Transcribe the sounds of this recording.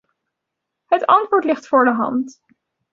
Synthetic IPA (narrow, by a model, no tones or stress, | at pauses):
ɦətɑntʋʊːɹtlɪχtfʊːɹdəɦɑ̰nt